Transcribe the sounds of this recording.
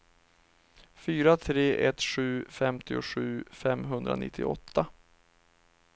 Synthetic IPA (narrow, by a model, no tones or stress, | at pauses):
fyːɾat̪ʰɾeːʔɛt̪ɧʉ̟ːfɛmt̪ʰɪʊɧʉ̟ːfɛmːɦɵnd̪ɾa̰nɪ̰t̪ʰːɪɔ̰t̪ʰːa